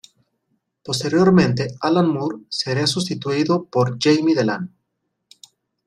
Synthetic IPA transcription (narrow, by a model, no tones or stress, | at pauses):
po̞st̪eɾjo̞ɾmẽ̞nt̪e̞alanmuɾseɾeasus̬t̪it̪uiðopoɾd͡ʒejmiðelan